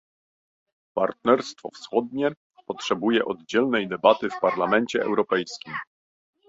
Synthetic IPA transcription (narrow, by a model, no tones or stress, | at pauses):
paɾt̪̚nɛɾst̪fɔ̰fsxɔd̪ɲɛ | pɔtʂɛbujɛʔɔd̪d͡ʑɛlnɛjd̪ɛbat̪ɘfpaɾlamɛnt͡ɕɛɛ̰wɾɔpɛjskʲim